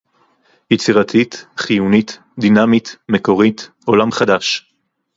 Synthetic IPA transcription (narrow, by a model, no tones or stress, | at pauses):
jet͡siʁat̪ʰit̪χijunit̪ | d̪inamit̪meko̞ʁit̪ | o̞lamχad̪aʃ